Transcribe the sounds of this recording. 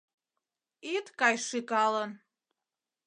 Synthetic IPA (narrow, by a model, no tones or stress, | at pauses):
itʰʼkʼajʂikʼalan